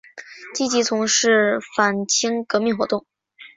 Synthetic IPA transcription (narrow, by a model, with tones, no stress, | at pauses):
t͡ɕi˥t͡ɕi˧˥t͡sʰʊ˧˥ŋʂɻ̩˥˩fa˨˩nt͡ɕʰi˧˥ŋkɤ˧˥mi˥˩ŋxwɔ˧˥t̪ʊ˥˩ŋ